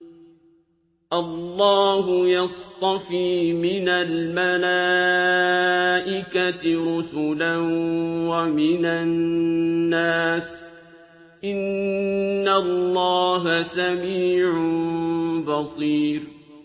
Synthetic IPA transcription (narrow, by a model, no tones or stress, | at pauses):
ʔɑlːɑːɦʊjɑst̪ˤɑfiːmɪnalmalaː | ʔɪkat̪ɪɾʊsʊlanwamɪnanː | aːs | ʔɪnː | alːɑːɦasamiːʕʊ | bɑsˤiːɾ